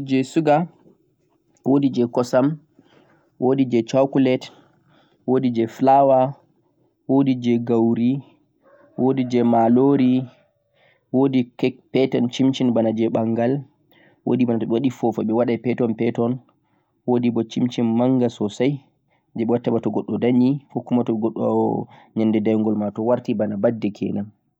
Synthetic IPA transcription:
d͡ʒɛsuɡa | wodid͡ʒɛkɔsam | wʔodid͡ʒɛt͡ʃawkulɛt | wodid͡ʒɛflawa | wodid͡ʒɛɡawɾi | wʔodid͡ʒɛmaloɾi | wodikɛkpɛtɔnt͡ʃimt͡ʃinbanad͡ʒɛɓaŋɡal | wo̰dibanatɔɓɛwaɗifɔfɔɓɛwaɗajpɛtɔnpɛtɔn | wodibɔt͡ʃimt͡ʃinmaŋɡasɔsaj | d͡ʒɛɓɛwatːabatɔɡɔɗːɔdaɲifokːumatɔɡɔɗːɔɲandɛdajŋɡɔlmatɔwaɾtibanabadːɛkʰɛ̰nam

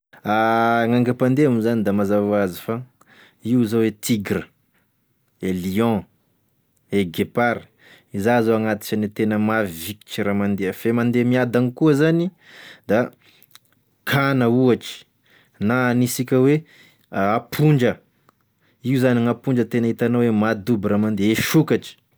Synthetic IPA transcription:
aŋaŋɡapand̪eamuzanid̪amazavazifa | iuzowet̪iɡɾə | eliɔ̃ | eɡepaɾ | izazoaŋat̪i̥ʈ͡ʂənit̪enəmaviki̥t͡ʃiɾamand̪eəfemand̪emiad̪anikuəzani | d̪a | kʰanəuaʈ͡ʂi̥ | nanisikʲəwe | apʰuɳɖ͡ʐə | iuzaniŋapuɳd͡ʒət̪enaɦit̪anowemad̪ubramand̪eeʃukaʈ͡ʂi̥

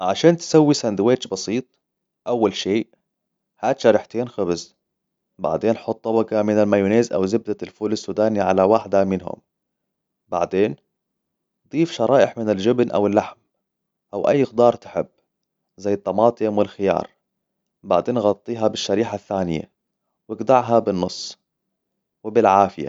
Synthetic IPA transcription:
ʕaʃaːnt̪sawːisand̪weːt͡ʃbɑsiːt̪ˤ | ʔawːalʃeː | haːt̪ʃaɾɪħt̪eːnxɪbɪz | ba̰ʕd̪eːnħʊt̪ˤːɑbɑɡɑmɪnalmajuːneːzʔa̰wzɪb̚d̪alfuːlasːuːd̪aːniʕalawaħd̪amɪnɦʊ̰m | ba̰ʕd̪eːn | d̪ˤiːfʃɑɾˤɑːʔɪħmɪnɪld͡ʒɪbnʔa̰wɪlːaħm | ʔawʔa̰jːɪxd̪ɑːɾˤt̪ɪ̥ħɪbː | zajːɨt̪ˤːɑmɑːt̪ˤɨmwɪlxɪjɑ̰ːɾˤ | ba̰ʕd̪eːnɣɑt̪ˤːiːɦɑbɪʃːaɾiːħaθːaːnɪja̰ | wɪɡd̪ɑʕɦabɪnːʊsˤː | wɪbɪlʕaːfɪja̰

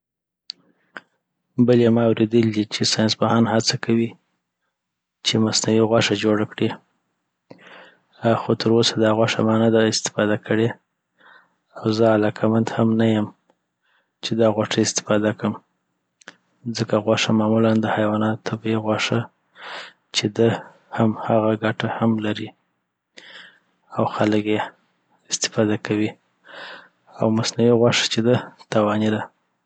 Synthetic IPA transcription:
bəlemɑawɾed̪əld̪it͡ʃesɑjnsbahɑnhat͡sakʰawi | t͡ʃemasnawiɣwaʂad͡ʒoɽakɽi | xot̪ʰəɾosad̪ɑɣwaʂa̰mɑnad̪aɪst̪ɪ̥fɑd̪akəɽe | awzəalɑkʰamand̪hamnajəm | t͡ʃed̪ɑɣwaʈəɪst̪ɪ̥fɑd̪akəm | zəkaɣwaʂamɑmuland̪əhajwɑnɑt̪ʰabeɣwɑʂə | t͡ʃed̪ə | hamhaɣaɡaʈahamlaɾi | awxaləkje | ɪst̪ɪ̥fɑd̪akawi | awmasnawiɣwaʂə̥t͡ʃed̪ət̪awɑnid̪a

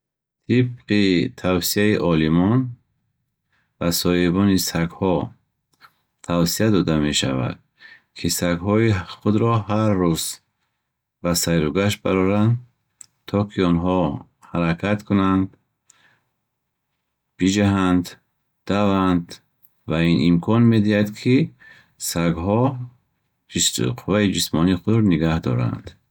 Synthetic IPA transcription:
t̪ʰib̚qit̪ʰawsiaiʔɔlimɔn | vasɔhibɔnisaɡhɔ | t̪ʰawsiad̪ɔd̪ame̞ʃa̰va̰d̪̥̚ | kʰisaɡɦɔiχud̪ɾɔhaɾːuz̥ | basajɾuɡaʃba̰ɾɔɾand̪ | t̪ʰɔkʰiɔnɦɔ | haɾakʰat̪kʰunand̪ | b̥id͡ʒaɦand̪ | d̪̥avand̪ | vainimkʰɔnme̞d̪ihad̪kʰi | saɡɦɔ | d͡ʒisqʰuvaid͡ʒismɔniχuɾniɡahd̪ɔ̰ɾa̰nd̪̥

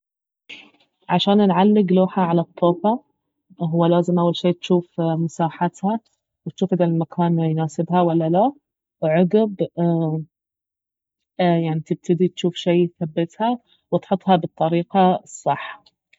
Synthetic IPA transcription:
ʕaʃaːnnʕalːɪɡluːħaʕalat̪ˤːoːfa | ɦʊwːalaːzɪmʔawːalʃeːt̪ʃuːfmʊsaːħat̪ha | wɪt̪ʃuːfʔd̪almakʰaːnjnaːsɪbhawalːala | wʕʊɡɪb | jaʕnit̪ɪb̚t̪ʰɪd̪it̪ʃuːfʃeːjθabːɪt̪ha | wɪt̪ħʊt̪ˤhɑbɨt̪ˤːɑɾiːqɑsˤːɑħːḁ

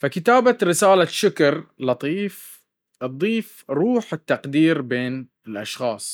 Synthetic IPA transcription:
fakɪt̪aːbaɾɪsaːlaʃʊkɑɾˤlɑt̪ˤiːf | ʔɨd̪ˤːiːfɾuːħɪt̪ːɑqd̪iːɾbeːn | ɪlʔaʃxɑːsˤ

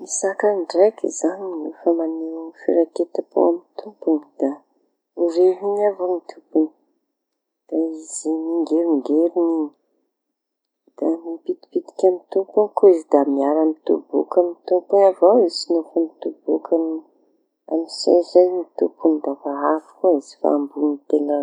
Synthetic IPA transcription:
misakanɖ͡ʐekʲḭzaninufamanefḭɾaket̪apo̰amit̪upunid̪̥a | ureɦinavomit̪ʰupuni̥ | d̪̥aiz̥imiŋɡeɾiŋɡeɾinini̥ | d̪̥amipit̪i̥pid̪i̥kʲamit̪upunikoizid̪amiaɾamit̪ṵbṵkamit̪umpunavawisinofamit̪ubukam | a̰misa̰jzajmit̪upund̪avaafu̥koizi̥fa̰ːmbunit̪ela

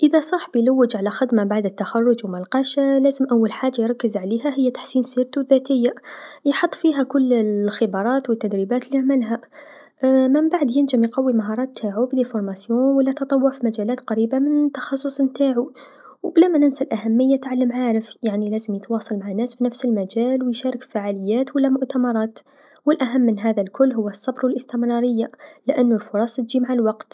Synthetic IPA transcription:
ʔɪðasˤɑħbɪjlawːɪd͡ʒʕalaxɪd̪mabaʕd̪ɪt̪ːaxɑrˤːʊd͡ʒwmalqɑːʃalaːzɪmʔawːalħaːd͡ʒːajɾˤɑkːɪzʕaleːɦaɦɪjːat̪ḁħsiːnsiːɾt̪uðːaːt̪ɪjːajħʊt̪ˤːfiːɦakʊlːxɪbɑɾˤɑːt̪wɪt̪ːad̪ɾiːbaːt̪liaʕmɪlɦa | mɪmbaʕd̪jɪnd͡ʒɪmjqɑwːimaɦɑɾˤɑːt̪ʰːaːʕubd̪ifʊɾˤmasjoːnwalːat̪ɑt̪ˤɑwːʊʕfimad͡ʒaːlaːt̪qɑɾiːbamɪnt̪ɑ̥xɑsˤːʊsˤmt̪aːʕu | wblamanɪnsalʔahamːɪjːat̪ʕalːəmʕaːɾɪfjaʕnilæːzəmjət̪wɑːsˤɑlmaʕanːaːsfinafsɪlmad͡ʒaːlwjʃaːɾˤɑkfaʕaːlɪjːaːt̪walːamʊʔt̪amɑɾˤɑːt̪ | wɪlʔaɦamːɪnɦaːðalkʰʊlːɦʊwːasˤːɑbɾwɪlʔɪst̪ɪmɾˤɑːɾɪjːalɪʔanːʊlfʊɾˤɑsˤt̪d͡ʒimaʕalwɑqt̪

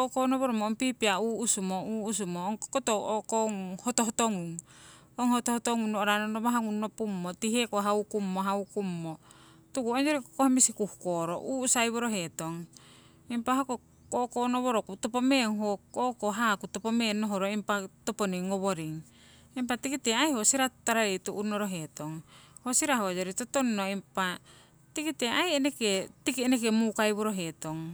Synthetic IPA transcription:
okonoβoɾomoompipiauːsumouːs̬umoːŋkotoʔokoŋhotoɦotoŋuŋ | oŋhotohotoŋunnooɾanonomaɦaŋunːopumːotiɦekoɦaukumːoɦaukumːo | tukuond͡ʒoɾikokohamisikuhukoɾoʔuusajβoɾoɦe̞toŋ | impaɦako | kokonoβoɾokutopomeːŋɦokoʔkoɦakutopomeːnːoɦoɾoimpatoponiŋoβoɾiŋ | imp̬atikiteajhosiɾataɾaetuʔunoɾoɦe̞toŋhosiɾaɦojoɾitotonːoimpa | tikiteajeneketikienek̬emukajβoɾoɦetoŋ

